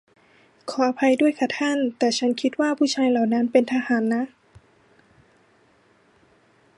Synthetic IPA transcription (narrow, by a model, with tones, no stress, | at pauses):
kʰɔː˩˦ʔa˧pʰa˧jdu˥˩əjkʰa˧˩t̪ʰa˥˩˨nt̪ɛː˨˩t͡ɕʰa˦˥nkʰi˧˦˥t̪̚waː˥˩pʰuː˥˩t͡ɕʰaː˧jla˨˩wna˦˥npe˧nt̪ʰa˧haː˩˦nːa˦˥